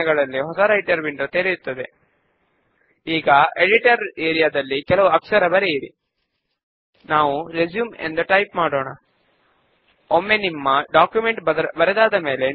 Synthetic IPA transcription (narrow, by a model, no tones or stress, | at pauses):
ɡɐɭɐlːiɦɔsɐɾɐiʈɐɾbindɾɐt̪eːɾijut̪ːɐd̪e̞ | iːɡɐeɖiʈɐɾeːɾijad̪ɐlːikɛlɐʋuɐkʂɐɾɐbɐɾeiɾḭ | naːʋuɾed͡ʒjuːmḛnd̪uʈɐjpmaːɽoːɳɐ̰ | omːe̞nimːɐɖaːkjume̞ɳʈbbɐɾɛd̪aːd̪ɐme̞ːle̞